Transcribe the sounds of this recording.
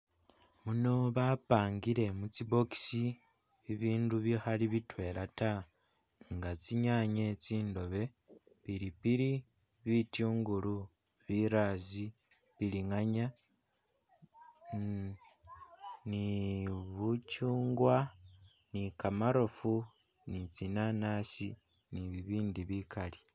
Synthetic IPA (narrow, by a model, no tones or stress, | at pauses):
muno̞βapaːŋɡiɾe̞mut͡sibo̞ki̥si | βiβiːnduβixaliβitwe̞ːlata | ŋɡat͡siɲaɲet͡siːndo̞βe̞ | piɾipiɾi | βituːŋɡulu | βiɾazi | βiliŋaɲa | niβucuːŋɡwa | nikamaɾo̞fu | nit͡sinanasi | niβiβiːndiβikali